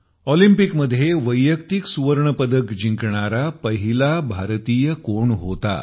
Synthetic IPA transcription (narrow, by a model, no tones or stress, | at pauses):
ɔlimpikməd̪ʱːjeʋəjːəkt̪iksuʋəɾɳəpəd̪əkd͡ʑiŋkɳaɾapəɦilabʱaɾt̪iːjəkoɳɦot̪a̰